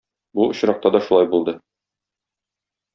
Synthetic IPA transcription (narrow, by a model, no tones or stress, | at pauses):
buŏɕɾɑq̚t̪ɑd̪ɒʃulˠɑjbulˠd̪ɤ